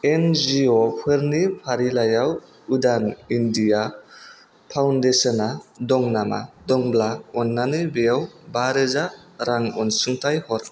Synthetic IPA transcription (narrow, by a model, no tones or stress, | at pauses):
end͡ʒiɔpʰɯɾnipʰaɾilajaw | udanindija | pʰawndesɔnadɔŋnama̰ | dɔŋblaɔnːanɯjbejawbaɾɯzaɾaŋɔnsɯŋtʰajhɔɾ